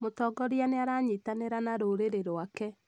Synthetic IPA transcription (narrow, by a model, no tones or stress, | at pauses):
motɔːɡɔɾianeaɾaɲitaneɾanaɾoɾeɾeɾoakɛ